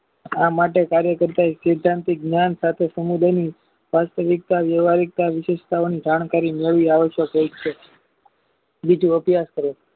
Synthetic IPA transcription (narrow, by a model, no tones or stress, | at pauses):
amaʈekaɾjəkəɾt̪aeʃed̪ʱːãnt̪ik̚ɡnjansat̪ʰesəmud̪ʱani | ʋast̪əʋik̚t̪aʋjəʋaɾik̚t̪aʋɪʃeʃt̪ʰaonid͡ʒaɳ̃kaɾimeɭʋiaʋəʃjəkəit͡ʃʰe | bid͡ʒuəpjaskəɾe